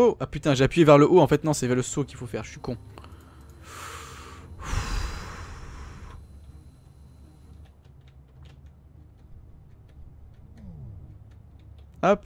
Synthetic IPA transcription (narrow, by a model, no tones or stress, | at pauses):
oʔapyt̪ɛ̃ʒeapɥjevɛʁləʔoɑ̃fɛt̪nɔ̃sɛvɛʁləsokʲilfofɛːʁʒəsɥikɔ̃ | ap